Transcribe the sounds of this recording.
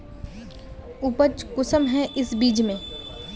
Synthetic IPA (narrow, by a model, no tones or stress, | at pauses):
ʊpət͡ʃkʊsəmɦɛ̃ʔɪsbiːd͡ʒmẽː